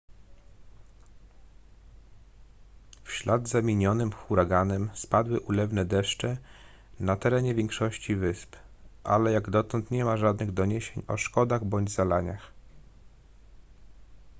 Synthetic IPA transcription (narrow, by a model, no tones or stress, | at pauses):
fɕlad̪zamʲiɲɔnɘmxuɾaɡanɛmspad̪wɘʔulɛvnɛd̪ɛʂt͡ʂɛ | nat̪ɛɾɛɲɛvʲjɛŋkʂɔɕt͡ɕivɘspʔa̰lɛjaɡd̪ɔt̪ɔnt̪ɲɛmaʐad̪nɘɣd̪ɔɲeɕeɲɔ̰ʂkɔd̪aɣbɔɲd͡ʑzalaɲax